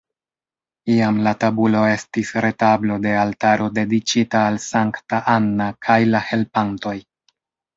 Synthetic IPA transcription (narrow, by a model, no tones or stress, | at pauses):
iamlatabulo̞e̞stisɾe̞tablo̞de̞altaɾo̞de̞dit͡ʃitaːlsaŋktaʔanːakʰajlahe̞lpanto̞j